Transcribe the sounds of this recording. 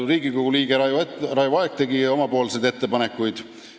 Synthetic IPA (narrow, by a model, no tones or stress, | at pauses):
riːɡikoɡ̥uliːɡ̥erɑjvɑeɡ̥̚t̪e̞ɡio̞mɑpo̞ːlse̞jd̪e̞t̪ːe̞pɑne̞kːˑujd̪̥